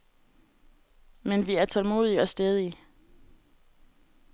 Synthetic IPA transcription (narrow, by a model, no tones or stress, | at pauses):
menʋiæɐt͡sʰɒlmo̝̰ːðˠiɒ̽sd̥eð̞ˠi